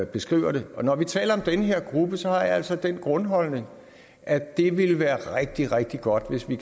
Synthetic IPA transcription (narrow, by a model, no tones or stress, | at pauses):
b̥e̝sɡ̥ʁiʊ̰ɐɾ̥eɒ̽nɒʋit͡sʰɛ̰ːlɐɒ̽md̥enəɦe̝ɐ̰ɡ̥ʁub̥əsɒ̽hɑ̈ʋiæl̰sɒd̥enɡ̥ʁɔ̽nɦɒ̽lne̝ŋ | ʔæd̥e̝ʋe̝lʋæːɐʁeɡ̥̚d̥iʁɛɡ̥̚d̥iɡ̥ɒ̽d̥ʋe̝sʋi